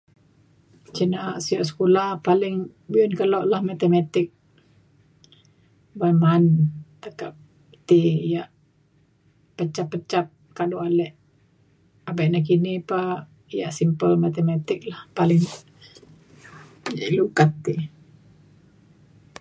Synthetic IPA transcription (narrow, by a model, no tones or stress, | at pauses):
t͡ʃənaʔsiɔʔsə̥kolahpalɪŋ | biɔnkəlɔʔlahmat̪emat̪ɪk̚ | bamant̪əkap̚ | t̪ijaʔ | pət͡ʃapːət͡ʃap̚ | kadoalɛʔ | abaʔnak̬inipa | ijaʔsimpəlmat̪emat̪ɪk̚lahpalɪŋ | jaʔlukat̪ːi